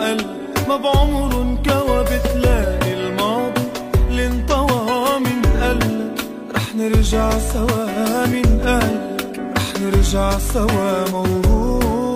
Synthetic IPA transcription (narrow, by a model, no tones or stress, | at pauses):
ʔal | mabʕʊmɾnkawabɪt̪laɪlmɑːd̪ˤilint̪ˤɑwɑhmɪnʔalː | ɾˤɑːħnɪɾʒaʕsawaːmɪnʔal | ɾˤɑːħnɪɾʒaʕsawamawɾu